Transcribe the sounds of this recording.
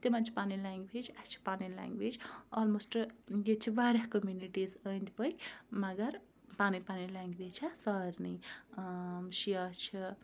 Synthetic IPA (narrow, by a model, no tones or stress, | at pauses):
t̪emɐnt͡ʃʰpanilaːŋɡʋeːd͡ʒat͡ʃʰi̥paːnilã̰ŋɡʋeːd͡ʒɔːlmosʈjet͡ʃʰiʋaːɾʲahkəmjuniʈiːzənd̪ipəmɐɡɐɾ | paːnipaːnilaːŋɡʋet͡ʃʰasaːɾni | ʃijat͡ʃʰi